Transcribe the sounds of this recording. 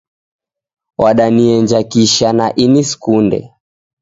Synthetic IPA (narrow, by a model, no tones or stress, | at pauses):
waɗaniɛɲd͡ʒakiʃanaʔiniskundɛ̰